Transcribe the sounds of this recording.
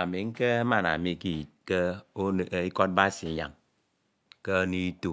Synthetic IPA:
a˨mi˨ŋ̩˦ke˦ma˨na̰˨mi˨ki˨ke˦˨˦ | i˦kɔ˦t̚ba˦si˨˦ɲa̰˨ŋ | ke˦ni˦tu˨

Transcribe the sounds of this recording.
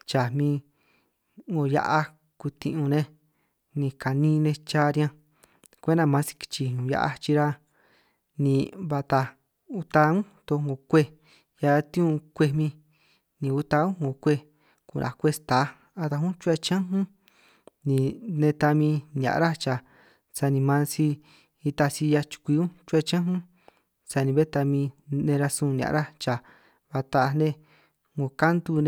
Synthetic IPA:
t͡ʃa˨mĩ˧ | ŋɡo˧ja̰˧ʔa˧ | ku˧t̪ḭ̃˧ʔũ˧nẽ˧ | nĩ˧ka˨nĩ˧˦˧nẽ˧t͡ʃa˦˧ɾʲã˧ | kʷe˦nã˧mã˧˦si̥˧ki̥˧t͡ʃi˧ɲũ˨ja̰˧ʔa̰˧t͡ʃi˧ɾa˧ | nĩ˧βa˧t̪a˧ | u˧t̪a˧ũ˦t̪o˧ŋɡõ˨kʷe˦ | ja˧t̪ĩ˦ũ˧kʷe˧mĩ˧ | nĩ˨˧u˧t̪a˧ũ˦ŋõ˨kʷe˧ | kṵ˧˨nʔã̰˨kʷe˧˦st̪a˨˦ | a˧t̪a˧ɦũ˦t͡ʃu˦a˧t͡ʃã˦ɦũ˦ | nĩ˨nẽ˧t̪a˧mĩ˧njã̰˨ʔɾa˦t͡ʃa˨ | sa˧nĩ˧mã˧si˧ | i˧t̪a˧si˧ja˧t͡ʃu̥˧kʷi˧ũ˦t͡ʃu˦a˧t͡ʃã˦ɦũ˦ | sa˧nĩ˨˧βe˦t̪a˧mĩ˧nẽ˧ɾa˧sũ˧n˧ã̰˨ʔɾa˦t͡ʃa˨ | βa˧t̪a˧nẽ˦ | ŋɡo˨ka˦nd̪u˧nẽ˧

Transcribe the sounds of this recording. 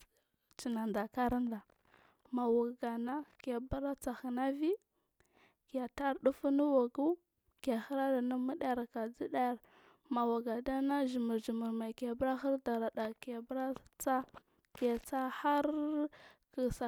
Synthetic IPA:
t͡ʃi˨na˨nda˨ka˦ɾa˦nda˨ | ma˨wa˨ɡa˨na˦ka˨ba˦ɾa˦t͡sa˨xi˨na˦vi˦ | ki˨a˨ta˦ɾɗu˦fu˦nu˦wa˨ɡu˦ | ka˨xi˦ɾa˦da˨na˦mi˦ɗa˦˨ɾka˨d͡zi˦ɗa˦˨ɾ | ma˨wa˨ɡa˨da˦na˦ʒi˨mə˨ɾd͡ʒi˨mə˨ɾma˨ka˨bɾa˦xa˦ɾda˨ɾa˨ɗa˨ka˨bɾa˦t͡sa˦ | kja˨t͡sa˦xa˦ɾ | ki˨sa˨

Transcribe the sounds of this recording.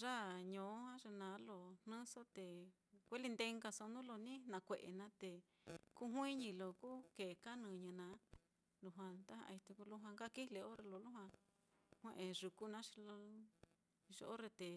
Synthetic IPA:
ʐa˦ɲõ˨˦hã˦ʐe˧nã˨˦lo˨n̥nɨ̃˦so˦t̪e˨ | kʷe˦li˧nd̪e˧ŋɡa˧so˧nũ˦lo˧nĩ˦n̥ã˨˧kʷe˨ʔḛ˨nã˧˦t̪e˨ | ku˦ɦʷĩ˦ɲĩ˧lo˨ku˦ke˨ka˦nũ˧ɲɨ̃˧nã˨˧˦ | lu˧ɦwã˧t̪a˦hã̰˧i˧t̪e˧ku˧lu˦ɦã˧ŋɡa˦˨ki˦le˧o˦ɾe˧lo˧lu˦ɦwã˧ | hʷwẽ˧ʔẽ˧ʐu˨ku˦nã˦ʂi̥˧lo˧ | ʐo̰˧ʔo˦ɾe˧t̪e˨

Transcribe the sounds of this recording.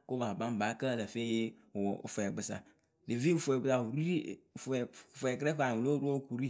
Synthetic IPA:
ko˦ba˨ba˦m˨ba˨˦kə˦˨la˨fe˦jḛ˦˨ | fo˨ɛ˨ɡ͡bɨ˨sa̰˨ | le˨vi˦u˨fɛ˨ɡ͡bɨ˨sa˨u˨ɾi˦i˦˨ffɛ˨kɾɛ˦ka˨u˨lo˦ɾu˦o˦˨ku˨ɾi˦

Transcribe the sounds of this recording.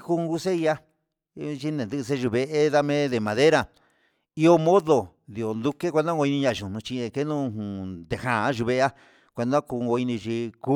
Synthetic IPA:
ku˧ŋɡu˦˧se˦i˧˦a˦ | t͡ʃi˦nẽ˨nd̪ɨ˦˧e˦ʒu˧βe˧ʔe˦ða˦mẽ˦ðe˧˨mã˨˧ðe˦ɾa˧˨ | i˦o˧mõ˦ðo˨ | d̪i˨o˨nd̪u˧ke˦kʷe˧nd̪ã˦ŋɡo˧i˧nĩ˧ɲã˧˨ʒu˨nũ˧t͡ʃĩ˧ẽ˧ke˦nũ˦˧hũ˨d̪e˨hã˨˦ʒu˧βe˧ʔa˦ | kʷe˧nd̪ã˦kuː˧ŋɡo˧i˧nĩ˧t͡ʃi˧ku˦

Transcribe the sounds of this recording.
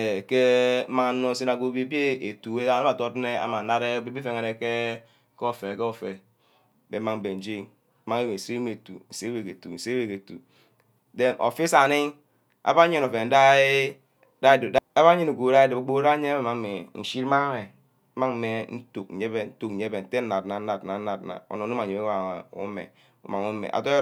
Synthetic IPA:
e˨ke˦ma˦˨˦no˦˨se˦na˨ɡo˦bi˦bi˦e˦e˨tu˨e˦na˦a˨to˦tne˦a̰˨˦ma˨na˦ɾe˦bi˦bi˦fe˨ŋe˨ne˨ke˦ | ke˦o˦˨fe˨ke˦o˨fe˨ | bḛ˨˦ma˨m̩˨be˨n̩˨d͡ʒi˦ŋ˦ | ma˦ŋe˦we˨sɾi˦me˨tṵ˨n̩˨se˦we˨ke˨tṵ˨n̩˨se˦we˨ke˨tṵ˨ | de˨˦mʔo̰˨fi˦sa˨ni˦ŋ | a̰˦ba˦ɲe˦no˨fe˨n̩˦da˦ | da˦da˦ba˦ɲi˦nu˨ɡo˨ɾa˦e˦de˨bo˨ɡ͡bo˦ɾa˦ɲe˦be˦˨ma˨˦me˨n̩˨ʃi˦ɾma˦e˨˦ | ma˦ŋ˦me˨n̩˦tu˨k̩̚˨ɲe˦be˦n̩˦tu˨k̚n̩˨e˦be˨n̩˨te˦n̩˦a˨tna˨n̩˦a˨tna˨n̩˦na˨t̚na̰˨o̰˨no˨˦u˦a˨e˨be˦a˨ṵ˦mḛ˨ | ṵ˦ma˨ŋu˦mḛ˨ʔa̰˨to˦

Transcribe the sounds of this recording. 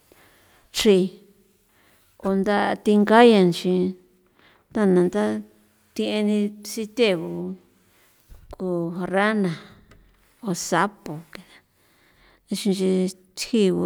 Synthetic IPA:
t͡ʃi˧ | o˧nd̪a˦˧t̪i˧ŋɡa˦jã˧nt͡ʃĩ˧ | t̪a˦˨nã˨nd̪a˦ | t̪ĩ˧ʔẽ˧nĩ˧si˧t̪ʲe˦˨βu˧ | ku˧˨ra˦nã˨ | o˧sa˦po˨ke˧ḁ˧ | ĩ˧ʃĩ˧n˧t͡ʃi˧t̪hi˦βu˧

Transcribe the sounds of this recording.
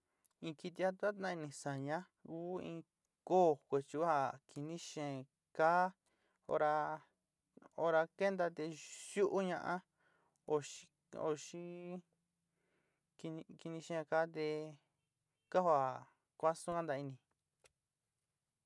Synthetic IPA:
ĩ˧ki˧t̪i˧a˦t̪a˦nã˦˧ĩ˧nĩ˨sa˨ɲã˦ | kuː˦ḭ̃ː˧ | koː˦˨kʷe˨t͡ʃu˧˦a˧˨ki˧nĩ˦ʃẽ˨ | kaː˦ | o̰˧ɾa˧ | o˧ɾa˧ke˦nd̪a˧t̪e˧ʃu˦ʔu˦ɲã̰˧ʔã˦ | o˧ʃi˧ | o̰˧˨ʃi˦ | ki˧ki˧nĩ˧ʃẽ˦˧ka˦t̪̬e˧ | ka˦hwa˨ | kʷa˦sũ˦ka˦nd̪a˧i˧nĩ˨

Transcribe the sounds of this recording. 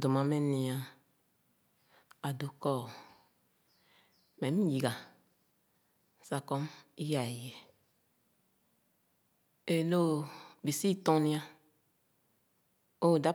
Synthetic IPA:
do˨mã˨mɛ˦nĩ˨a˨ | a˨do˨kɔ˦˨ | mɛ˨˦mĩ˦ji˨ɡa˨ | sa˨kɔ˦mi˦ja˨je˨ | e˨lo˦˨bi˨si˦t̪ɔ̃˦nĩ˦a˦ | o˦˨da˦

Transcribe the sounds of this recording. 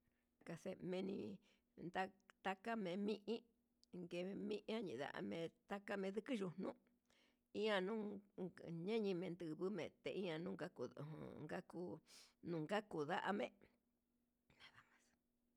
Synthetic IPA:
ka˧se˧mẽ˧nĩ˧ | nd̪a˦t̪a˦ka˦mẽ˨˧˦mĩ˦ʔĩ˦ | ŋɡe˧mĩ˦ʔã˦ɲĩ˨ða̰˧˨ʔa̰˧mẽ˧t̪a˦ka˦mẽ˧ðɨ˦kɨ˦ʒu˧nũ˦ | i˦ã˧nũ˦ | ɲẽ˦ɲĩ˧mẽ˧nd̪ɨ˧˨βɨ˦mẽ˨t̪e˧˨ʔĩ˦ã˧nũː˦ŋɡa˦ku˧˨o̰˧ŋɡa˦ku˦nũ˨ŋɡa˦ku˨ða˦ʔa̰˧mẽ˦˨ | nã˨ða˨mã˧s

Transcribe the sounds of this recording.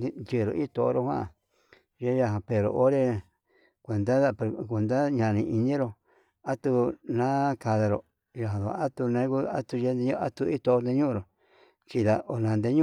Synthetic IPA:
nd͡ʒi˧˨ɾo̰˨˧ʔi˦t̪o˧˨o̰˦ɾo˧hwã̰˦˨ | ʒe˦ja˧ɦã˧pe˨ɾo̰˧ʔo˦ɾe˧ | kʷe˨nd̪a˦˧kʷe˧nd̪a˦ɲã˧˨nĩ˧ʔi˧nĩ˦ɾo˧ | a˦t̪u˧nã˦ka˧ða˧ɾo̰˨ | ja˨ɦã˨ðo˨˧a˦t̪u˧nẽ˧˦ku˦a˦t̪u˧je˧˦nd̪e˧ɲũ˦˧a˦t̪u˧i˦t̪o˧o˧nd̪e˧ɲũ˦˧ɾo˨ | t͡ʃi˧ða˧ʔo˧˨nã˨˧nd̪e˧ɲũ˦

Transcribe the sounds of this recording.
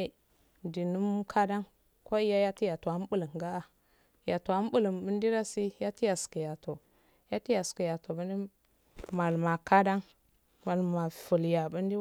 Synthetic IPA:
di˨nu˦m˦kʰa˦da˦n | ko˦i˦ja˦ja˦ti˦ja˨tu˨a˨˦m˦bu˦lə˨ŋɡa˦a˨ | ja˨tu˨a˨˦m˦bu˦lə˨mbə˦n˦di˦ɾa˦si˦ja˦ti˦ja˨ski˨ja˨to˨ | ja˦ti˦ja˨ski˨ja˨to˨bu˦ndi˦ | ma˨lma˨ka˦da˦n | ma˨lma˨fu˨lja˨bu˦ndi˦

